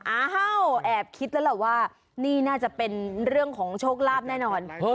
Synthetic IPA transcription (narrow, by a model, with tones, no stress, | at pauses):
ʔaː˨˩ɦa˧˩wʔɛː˨˩p̚kʰi˦˥t̪̚lɛ˦˥la˨˩waː˥˩ | niː˥˩naː˥˩t͡ɕa˨˩pe˧nɾɯ˥˩əŋkʰɔː˩˦ŋt͡ɕʰoː˥˩k̚laː˥˩p̚nɛː˥˩nɔː˧n˦